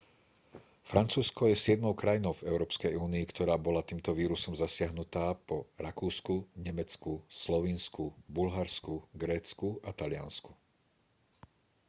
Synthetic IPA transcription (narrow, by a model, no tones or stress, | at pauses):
fɾʔant͡suːskɔjɛsɪɛd̪̚mɔʊkɾajinɔʊvɛʊɾɔːpskɛjuːniːkt̪ʰɔɾaːbɔlat̪iːmt̪ɔʋiːɾusɔmzasɪaɦnut̪aːpɔɾakuːskuɲɛmɛt͡skuslɔʋiːnskubulɦaɾskuɡɾɛːt͡skuat̪alɪa̰nsku̥